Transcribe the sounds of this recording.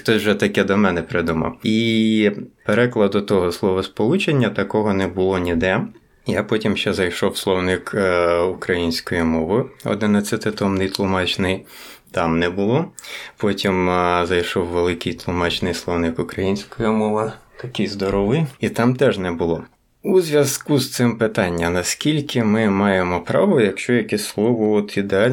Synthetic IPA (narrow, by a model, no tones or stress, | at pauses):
xt̪ɔsʲwʒɛt̪ɐkɛd̪ɔmɛnɛpɾɪd̪umɑ̰wi | peɾɛklˠɐd̪ʊt̪ɔɦɔslˠɔʋɐspɔlˠut͡ʃenʲːɐt̪ɐkɔɦɔnɛbʊlˠɔnʲid̪ɛ | japɔtʲimʃt͡ʃɛzɐjʃɔwslˠɔwnɪkukɾɐjinʲsʲkɔjimɔʋɪɔ̰d̪ɪnɐt͡sʲsʲɐt̪ɪt̪ɔmnɪjt̪lˠʊmɑt͡ʃnɪjt̪ɑmnɛbʊlˠɔpɔtʲimzɐjʃɔwːelˠɪkɪjt̪lˠʊmɑt͡ʃnɪjslˠɔwnɪkʊkɾɐjinʲsʲkɔjimɔʋɪt̪ɐkɪjzd̪ɔɾɔʋɪjit̪ɑmt̪ɛʒnɛbʊlˠɔ | uzʲʋʲjɐzkust̪sɪmpɪt̪ɑnʲːɐnɐskʲilʲkʰɪmɪmɑjemɔpɾɑʋɔjɐkʃt͡ʃɔjɐkɛsʲslˠɔʋɔɔt̪id̪eɑlʲ